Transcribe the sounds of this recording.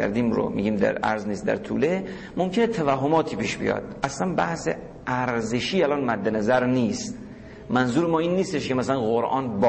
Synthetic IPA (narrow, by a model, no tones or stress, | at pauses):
æ̰ɾd̪iːmɾo̰mḭːɟiːmd̪æ̰ɾæ̰ɾzniːst̪̚d̪æ̰ɾt̪ʰṵːle | momcʰenet̪ʰævæɦːomɒːt̪ʰiːpiːʃbḭjɒ̰d̪̥ʔæslænbæhsḛ | ʔæɾzeʃiːælɒːnmæd̪ːenæzæɾniːst̪ | mænzuːɾemɒːiːnːiːst̪eʃkemæsælænɣoɾʔɒ̰ːnb